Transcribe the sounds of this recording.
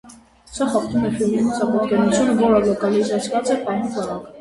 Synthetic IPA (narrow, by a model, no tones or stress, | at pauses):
sɑχɑχt̪umɛfilmɛnit͡sʰɑpɑt̪kɛɾnut͡sʰjunəvɔɾəlɔkɑlizɑt͡sʰvɑt͡sɛpɑɦunvɔɾɑŋk